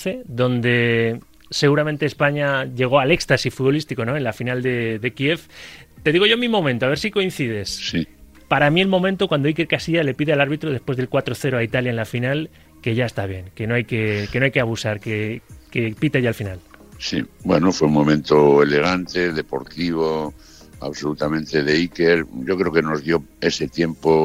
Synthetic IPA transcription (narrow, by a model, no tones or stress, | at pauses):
θe̞ðo̞nd̪e̞ | se̞ɣuɾamẽnt̪eːspaɲaʝe̞ɣ̞o̞ale̞kst̪asifut̪̚βo̞list̪iko̞no̞e̞nlafinald̪e̞ðe̞kje̞ft̪e̞ðiɣo̞ʝomimõ̞mẽnt̪oaβesiko̞in̟θiðe̞ssi | paɾamie̞lmõ̞mẽnt̪o̞kwand̪oik̬e̞ɾkasiale̞piðealaɾβit̪ɾoð̞espwe̞zðelkwat̪ɾoθe̞ɾoait̪aljaenlafinal | ke̞ʝaest̪aβ̞je̞ŋke̞no̞ajke̞kenoajke̞aβ̞usaɾkekepit̪eʝalfinalsḭbwḛnofweuŋmõmẽnt̪oele̞ɣ̞ant̪e̞ðe̞po̞ɾt̪iβo | a̰βso̞lut̪amẽnt̪e̞ðeikeɾɟ͡ʝokɾeokeno̞zðjo̞e̞se̞t̪je̞mpo